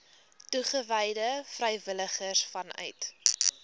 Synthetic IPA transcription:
tuχəvəjdəfrɛjvələχəsfɐnœ̰ɥt

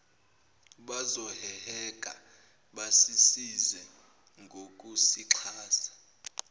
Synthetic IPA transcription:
ɓazɔhɛhɛk̬ʼa | ɓasisizwɛ | ŋɡʱok̬ʼusiǁʰaːsḁ

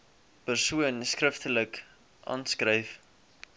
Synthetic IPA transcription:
pərsuənskrəftələk | ʔɑ̰ːnskrəjf

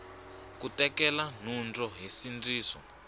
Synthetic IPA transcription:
kutɛkɛlan̤und͡zɔɦisind͡ziːsɔ̰

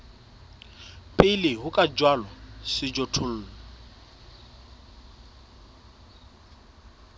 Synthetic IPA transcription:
pʼɪlɪɦʊkʼad͡ʒwalɔsɪd͡ʒɔtʰʊl̩ːllɔɔ

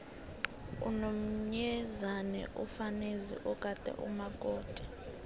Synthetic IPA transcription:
ṵnom̩ɲɛzanɛ̰ʔufanezḭʔɔkʼad̥ʱʼɛ̰ʔṵmaɡ̥ʱʼoːd̥ʱʼɛ̥

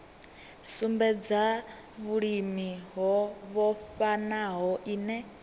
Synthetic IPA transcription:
sumbɛd͡za | βuɺimiɦɔβɔfanaɦɔʔiːnɛ

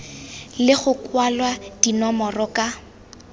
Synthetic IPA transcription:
lɪχʊkwalwad̥inɔmɔrɔka

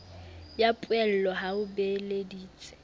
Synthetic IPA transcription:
japʼwɛl̩lɔɦaʊbelediːt͡sʼɪ̥

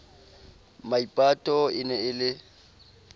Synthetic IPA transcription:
maipʼatʼɔɪnɛɪlɪ

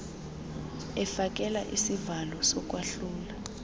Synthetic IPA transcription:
ɛfak̬ʼɛla̰ʔisivalɔsɔk̬ʼwaɬuːla

